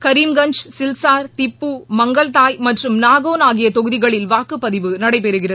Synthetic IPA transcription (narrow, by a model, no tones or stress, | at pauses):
kɐɾiːmɡɐɲd͡ʒsɪlsaːɾt̪ɪpːumɐŋɡɐɭt̪aːjmɐʈrɯmnaːɣoːnaːɣɪjɐt̪ɔɣɯðɪɣɐɭɪlʋaːkːɯpːɐðɪʋɯnɐɽɐɪpɛɾɯɣɪrɐ